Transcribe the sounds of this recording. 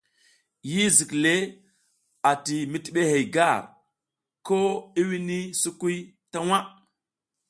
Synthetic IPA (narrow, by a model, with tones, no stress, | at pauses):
ji˦zi˨kle˦ | a˨ti˨mi˦ti˨ɓe˦ɦe˨jɡa˦˨ɾ | ko˦i˦wi˦ni˦su˦ku˦j | ta˦wa˦